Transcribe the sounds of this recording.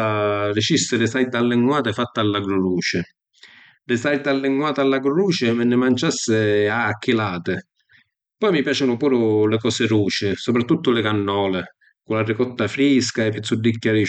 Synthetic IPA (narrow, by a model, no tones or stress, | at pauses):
arɪt͡ʃist̪ɪlɪsajd̪alːɪŋːwaːt̪ɪfat̪ːaalːaɡɾʊluːt͡ʃɪ | lɪsajd̪alːɪŋːwaːt̪alːaɡɾʊluːt͡ʃɪmɪnːɪmant͡ʃasːɪakːilaːt̪ɪ | pɔjmipjaːt͡ʃɪnʊpuːɾʊlɪkɔːsɪɾuːt͡ʃɪsopɾat̪ːut̪ːʊlɪkanːɔːlɪ | kʊlarːɪkɔt̪ːafɾiskaɛpːit̪sːud̪ːikːaɾi